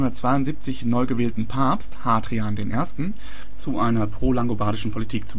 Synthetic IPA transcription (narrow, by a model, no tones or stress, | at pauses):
ʊndɐtt͡sv̥aɪʊntz̥iːp̚t͡sɪçnɔʏɡəveːltn̩pʰaɐpsthaːdʁiaːndeːnʔeːɐstn̩ | t͡suʔaɪnɐpʁ̥oːlaŋɡobaːdɪʃn̩pʰolitʰiːkt͡su